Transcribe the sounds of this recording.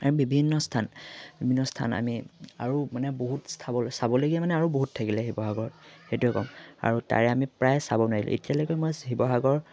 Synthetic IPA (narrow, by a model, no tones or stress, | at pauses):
aɹubibʱinːɔstʰanbibʱinːɔstʰa̰na̰miaɹumanɛboɦutstʰabɔlsabɔloɡiɛmanɛaɹuboɦuttʰakilɛɦibɔɦaɡɔɹɔt̚xetuɛkɔ̰ma̰ɹuta̰ɹɛamipɹajsabɔnadilʊ̰̃ḛtijalojkɔjmɔjɦibɔɦaɡɔɹ